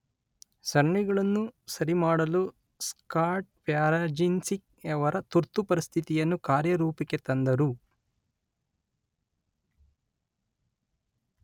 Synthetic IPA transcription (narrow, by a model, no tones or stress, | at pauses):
sɐɾɳiɡɐɭɐnːusɐɾimaːɽɐlu | skaːɾʈ̚pjaːɾaːd͡ʒinsik | ɛʋɐɾɐt̪uɾt̪ːupɐɾist̪ʰit̪ijɐnːukaːɾjɐɾuːpiket̪ɐnd̪ɐɾu